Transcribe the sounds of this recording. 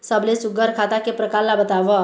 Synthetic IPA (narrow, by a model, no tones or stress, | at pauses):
səblesuɡəɾkʰat̪akepɾəkaɾlabət̪aʋə